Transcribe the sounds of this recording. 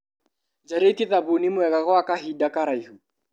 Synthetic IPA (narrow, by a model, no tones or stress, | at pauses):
d͡ʒaɾekiðaβunimwɛɣaɣɔakaɦidakaɾaihu